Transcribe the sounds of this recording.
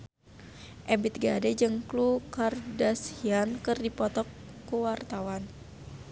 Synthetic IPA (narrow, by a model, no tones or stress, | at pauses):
ʔɛbit̪̚ɡadɛd͡ʒɨŋklukardashiankɨrdipɔt̪ɔkː | uwart̪awan